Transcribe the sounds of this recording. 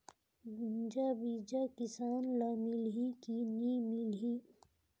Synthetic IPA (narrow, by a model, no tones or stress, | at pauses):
ɡund͡ʒabid͡ʒakɪsaːnlamilɦikiniːmilɦiː